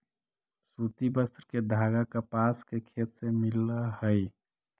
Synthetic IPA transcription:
sut̪ibəst̪ɾked̪ʱaɡakəpaskekʰet̪semiləhəj

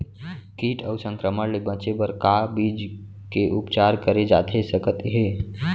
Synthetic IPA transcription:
kiːʈʰəʊsə̃ŋkɾəməɾlebət͡ʃebəɾkabid͡ʒ | keʔʊpt͡ʃaːɾkəɾed͡ʒa̰ːt̪ʰesəkət̪ɦeː

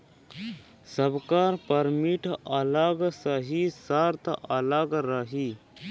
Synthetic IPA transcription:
səbkaːɾpəɾmiʈɐləɡsəɦisaɾt̪ʰʔɐləɡɾəɦiː

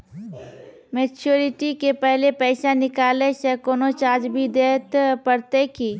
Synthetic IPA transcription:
meːt͡ʃuːɾɪʈikepɛɦlepɛːɪʃanɪkaːlesɛkoːnot͡ʃaːd͡ʒbʱid̪eːt̪pəɾt̪ekiː

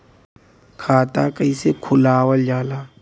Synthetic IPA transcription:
kʰaːt̪akəisekʰʊlaːwəld͡ʒaːlaː

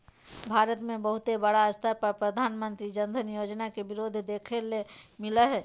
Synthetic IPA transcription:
bʱaːɾət̪mẽbəɦʊt̪ebəɽaəst̪ʰapɐɾpɾəd̪ʱaːnmə̃nt̪ɾid͡ʒə̃nd̪ʱənjoːd͡ʒnakebɪɾoːd̪ʱd̪eːkʰelemɪləɦɛː

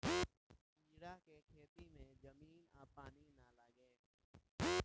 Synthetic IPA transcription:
ɪ̃d͡ʒɽakekʰeːt̪imẽd͡ʒɐmiːnaːpaːninalaɡe

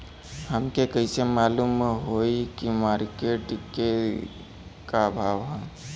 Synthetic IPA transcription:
hɐmkekəisemaːluːmɦoːikimaːɾkeʈke | kabʱaːʋɦã

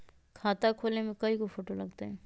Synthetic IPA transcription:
kʰaːt̪akʰoːlnemẽkɐikofoːʈolɐɡt̪aɦɛː

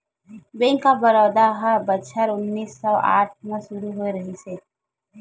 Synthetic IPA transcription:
bẽːŋkabəɾɔːd̪aɦəbət͡ʃʰəɾʊnːiːsːɔːa̰ːʈ̚ʰmẽsʊɾuɦoiɾəɦiseː

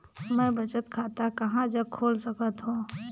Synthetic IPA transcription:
mɛ̃ːbɐt͡ʃət̪kʰaːt̪akɐɦãd͡ʒəb̚kʰoːlsəkət̪ɦõː

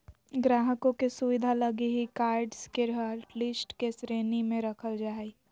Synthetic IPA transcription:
ɡɾaːɦəkõkesuʋɪd̪ʱalɐɡiɦikaːɾɖskeɾɦəɾʈlɪsʈkesɾeːnimẽɾɐkʰəld͡ʒaːi

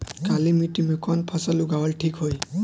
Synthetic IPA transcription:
kalimitimukʰɔnpʰɔsaluɡawɔlʈʰikɦoj

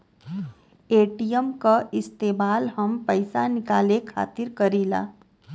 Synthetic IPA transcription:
eːʈijəmkaʔɪst̪eːmaːlɦəmpəɪsanɪkaːlekʰa̰ːt̪ɪɾkəɾiːla̰ː

